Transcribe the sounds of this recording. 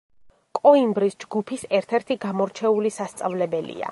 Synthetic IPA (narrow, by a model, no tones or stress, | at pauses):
kʼɔimbɾisd͡ʒɡupʰisɛɾt̪ʰɛɾt̪ʰiɡamɔɾt͡ʃʰɛulisast̪sʼavlɛbɛlḭa̰